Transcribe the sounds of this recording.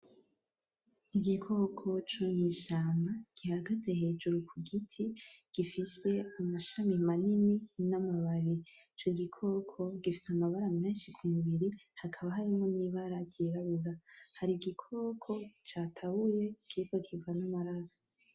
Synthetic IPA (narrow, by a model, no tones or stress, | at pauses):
iɡikʰo̞kʰo̞t͡ʃoɲiːʃaːmaɡ̥ihaɡaze̞he̞ːd͡ʒuɾukʰuɡitʰiɡ̥ifise̞amaʃamimanininamaβaɾi | t͡ʃoɡikʰo̞ːkʰo̞ɡifi̥seamaβaɾameːnʃikʰumuβiɾihakʰaβaɦaɾimŋo̞niːβaɾaɟɟiɾaβuɾahaɾiɡikʰo̞kʰo̞t͡ʃaːtʰaβuɾe̞kʰikokivanamaɾaso̥